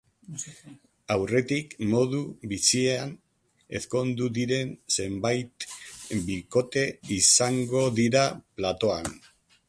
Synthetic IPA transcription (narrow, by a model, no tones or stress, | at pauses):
awre̞t̪ikmo̞ð̞uβisiean | e̞̰sko̞nd̪uðiɾe̞nse̞mbajt̪biko̞t̪e̞isaŋɡo̞ðiɾaplat̪o̞an